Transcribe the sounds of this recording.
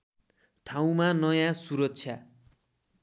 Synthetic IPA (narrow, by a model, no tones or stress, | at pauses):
t̪ʰaw̃manʌjãsuɾʌkt͡sʰja